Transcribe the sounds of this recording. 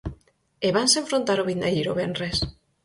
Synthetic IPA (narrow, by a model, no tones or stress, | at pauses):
eβansẽɱfɾont̪aɾoβind̪ajiɾoβenres